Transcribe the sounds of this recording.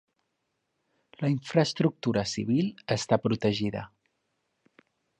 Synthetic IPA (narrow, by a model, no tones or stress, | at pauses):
ləiɱfɾəst̪ɾuk̚t̪uɾəsiβ̞ilˠəst̪apɾut̪əʒiðə̰